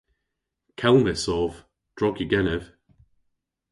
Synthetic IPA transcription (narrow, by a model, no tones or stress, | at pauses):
kʰɛlˠmɪsɔːv | d̥ɹɔɡiɡɛnəv̥